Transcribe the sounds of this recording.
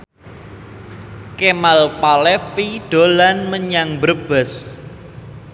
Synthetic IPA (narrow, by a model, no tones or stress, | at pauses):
kemalpalɛfiɖ̥o̤lanməɲaŋbərb̥ə̤s